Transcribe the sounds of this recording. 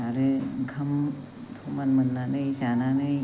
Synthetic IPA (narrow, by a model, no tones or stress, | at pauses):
aɾeɡʱʰɐm | tʰomanmənːanɯjsananɯj